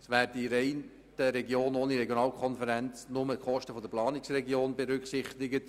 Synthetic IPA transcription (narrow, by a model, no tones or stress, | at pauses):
sʋæːɾdiɾɛɪn | təɾɛɡjoːnoːniɾɛɡjonɑːlkʰɔnfəɾɛnt͡snʊməχɔʃtəfɔd̪əplɑːnɪksrɛɡjoːnbeɾʏkχsɪχtɪɡət